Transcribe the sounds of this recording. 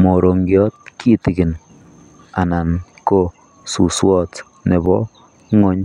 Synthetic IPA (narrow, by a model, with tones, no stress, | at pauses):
mo˨ɾo˨ŋɡjɔ˦t̚kʰi˦ti˨ki˨n | a˨na˨nko˦˨ | su˨swɔ˦t | ne˨bɔ̰˦ | ŋo˦ɲ